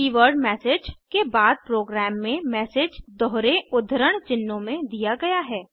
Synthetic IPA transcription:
iːʋəɾɖmɛːsed͡ʒkebaːd̪̚pɾoːɡɾɛːmːẽmɛːsed͡ʒd̪ɔɦːɾeʊd̪ʱəɾəɽ̃t͡ʃɪnːõmẽd̪ijaɡɐjaɦɛː

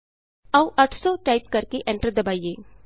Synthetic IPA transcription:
ɐũʔəʈʰsɔːʈaːɪp̚kɐɾkeʔɛ̃ɳʈəɾd̪ɐbaːieː

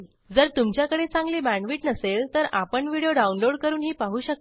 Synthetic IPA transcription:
d͡zəɾt̪umt͡ɕjakəɽet͡sãŋɡliːbæ̃ɳʋiːʈnəselt̪əɾapəɳʋiɽijoɖaunloɽkəɾuːnɦiːpaɦuːɕək̚t̪

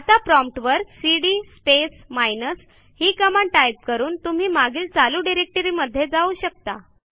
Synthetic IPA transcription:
at̪apɾɔmp̚ʈʋəɾksiɽiːspesmajnəs | hiːkəmaɳʈajp̚kəɾuːnt̪um̤iːmaɡiːlt͡saluːɖiɾek̚ʈəɾiːməd̪ʱjed͡zauɕək̚t̪a̰

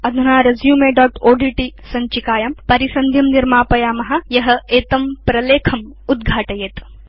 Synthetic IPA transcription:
ɐd̪ʱunaːɾɐzjuːmeːɖɔːʈoːɖiʈisɐɲt͡ʃikaːjɐmpɐɾisɐnd̪ʱjɐmniɾmaːpɐjaːmɐɦɐ̆jɐɦɐ̆eːt̪ɐmpɾɐleːkʰɐm | ud̪ɡʱaːʈɐjeːt̪

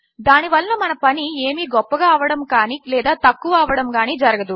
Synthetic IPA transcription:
d̪aːniʋɐlɐnɐmɐnɐpɐnieːmiːɡɔpːɐɡaːɐːʋɐɽɐmkaːnilɛːd̪aːt̪ɐkːuʋɐaːʋɐɽɐmɡaːnid͡ʒɐɾɐɡɐd̪u

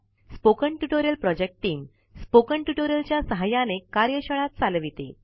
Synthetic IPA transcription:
spokəɳʈuʈoɾjəlpɾɔd͡ʑek̚ʈʈːiːm | spokəɳʈuʈoɾjəlt͡ɕjasəɦajanekaɾjəɕəɭat̪̚t͡salʋit̪ḛ

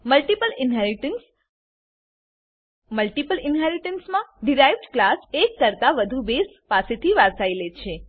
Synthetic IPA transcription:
məlʈipəlɪnɦəns | məlʈipəlɪnɦɛɾiʈənsmãɖiɾajʋɖklasekːəɾt̪aʋəd̪ʱubes | paset̪ʰiʋaɾsailet͡ʃʰe

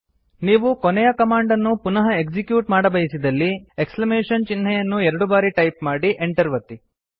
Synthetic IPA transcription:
niːʋukonɛjɐkɐmaːɳɖɐnːupunɐɦɐekd͡ʒikjuːʈmaːɽɐbɐjisid̪ɐlːieksklɐmeːʂɐnt͡ʃinːɛjɐnːuɛɾɐɽubaːɾiʈɐjpmaːɽiʔeɳʈɐɾʋɐt̪ːi

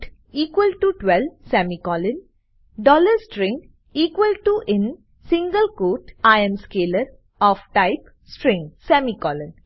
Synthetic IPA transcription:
ʈ | iːkʋəlʈuʈʋɛlʋsɛmikɔːlɪ̃n | ɖɔːləɾsʈɾɪ̃ŋɡ | iːkʋəlʈuʔɪ̃n | sɪ̃ŋɡəlkoːʈaɪə̃mskeːləɾ | ɔːfʈaɪp | sʈɾɪ̃ŋɡsɛːmikɔːlɪ̃n

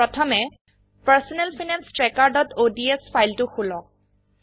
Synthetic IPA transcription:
ɹɔtʰɔmɛ | paɹsɔnɛlfʰinanstɹɛkaɹdɔtodiespʰajltʊxulɔ

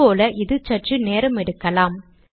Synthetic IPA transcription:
oːlɐʔɪðɯt͡ʃːɐʈrɯneːɾɐmɛɽɯkːɐlaːm

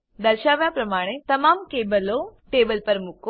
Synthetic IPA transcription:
d̪ɐɾʃaːʋjapɾɐmaːɽ̃et̪ɐmaːmkeːbəloʈeːbəlpɐɾmʊko

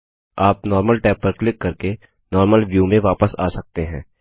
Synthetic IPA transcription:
aːp̚nɔːɾməlʈɛːpːəɾklɪkːɐɾke | nɔːɾməlʋjuːmẽʋaːpəsa̰ːsɐk̚t̪eɦɛ̃ː

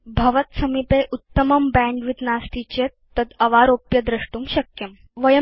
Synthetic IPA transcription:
bʱɐʋət̪sɐmipeʔut̪ːəmɐmbæ̃ɳɖʋit̪nast̪it͡ɕe | t̪ɐd̪ɐʋaɾoːpjɐd̪ɾɐʂʈuːmɕɐkjɐm | ʋɐjə

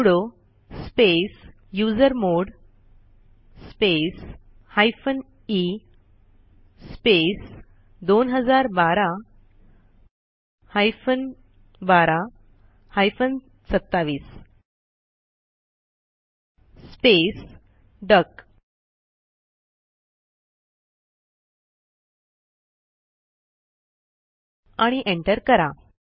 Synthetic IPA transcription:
ɽo | spes | jud͡zəɾmoɽ | spes | hajfən | i | spes | d̪onɦəd͡zaɾbaɾa | hajfən | baɾa | hajfən | sət̪ːaʋiːs | spes | ɖək | aɽ̃iʔeɳʈəɾkəɾa

